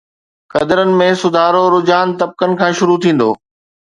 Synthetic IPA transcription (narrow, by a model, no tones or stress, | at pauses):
kɐd̪əɾənɪ̆mẽsʊd̪ʱaːɾoɾʊd͡ʑaːnt̪ɐb̚kənɪ̆kʰãːʃʊɾut̪ʰĩːn̆d̪o̰ː